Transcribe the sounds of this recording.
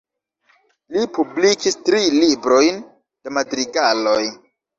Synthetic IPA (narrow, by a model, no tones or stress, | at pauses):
lipublikistɾilibɾo̞jn | d̥e̞madɾiɡalo̞j